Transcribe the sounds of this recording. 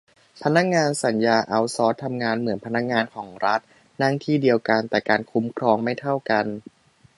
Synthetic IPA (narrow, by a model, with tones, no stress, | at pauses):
pʰa˧na˦˥k̚ŋaː˧nsa˩˦njaː˧ʔa˧wsɔː˦˥t̪ʰːa˧mŋaː˧nmɯ˩˦ənpʰa˧na˦˥k̚ŋaː˧nkʰɔː˩˦ŋɾa˦˥t̪̚ | na˥˩ŋt̪ʰiː˥˩di˧əwka˧nt̪ɛː˨˩kaː˧nkʰu˦˥mkʰɾɔː˧ŋma˥˩jt̪ʰa˥˩wka˧n